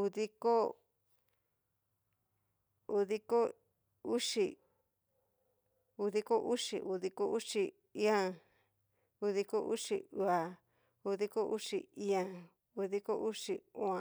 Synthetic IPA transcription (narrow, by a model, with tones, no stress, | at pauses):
u˧ði˦ko˦ | u˧ði˦ko˦ | u˦ʂi˧ | u˧ði˦ko˦ʔu˦ʂḭ˧˨ʔu˧ði˧ko˦ʔu˦ʂi˧ | i˦ã˧ | u˧ði˧ko˦ʔṵ˦ʂḭ˧u˧a˨ | u˧ði˦ko˦ʔu˦ʂi˧i˦ã˧ | u˧ði˦ko˦ʔu˦ʂi˧ũ˧ã˨˧